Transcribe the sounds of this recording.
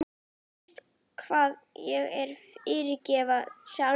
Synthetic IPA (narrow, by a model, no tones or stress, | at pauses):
m | t̪ | kʰv̥aːðjɛɣɛɾ̥fɪːɾɪcɛːvasja